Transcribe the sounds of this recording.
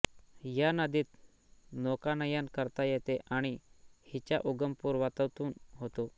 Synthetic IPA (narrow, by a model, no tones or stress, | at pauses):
janəd̪iːt̪ | nokanəjankəɾt̪ajɛt̪eʔaɽ̃ihit͡ɕja̰ʔuɡəmpuːɾʋat̪əʋt̪uːnɦot̪o